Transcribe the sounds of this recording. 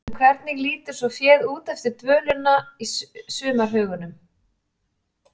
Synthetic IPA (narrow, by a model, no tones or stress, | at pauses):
kʰvɛɾt̪nɪɣliːt̪ʏɾ̥sɔfjɛːðuːt̪ɛft̪ɪɾt̪vœːlʏnːaisʏːmaɾ̥ɦœːɣʏnʏm